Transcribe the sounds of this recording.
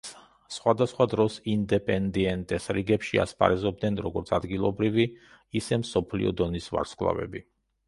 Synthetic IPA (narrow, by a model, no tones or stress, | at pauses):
sχwad̪asχwad̪ɾɔsind̪ɛpʼɛnd̪iɛnt̪ʼɛsɾiɡɛpʃia̰spʰa̰ɾɛzɔb̚d̪nɛnɾɔɡɔɾt̪sʰad̪ɡilˠɔbɾivi | isɛmsɔpʰlḭɔ̰d̪ɔnisva̰ɾskʼlˠa̰vɛ̰bi